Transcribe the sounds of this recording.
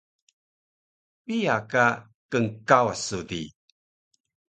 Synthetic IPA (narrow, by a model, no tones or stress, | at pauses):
piaka | kəŋkawa̰sudḭ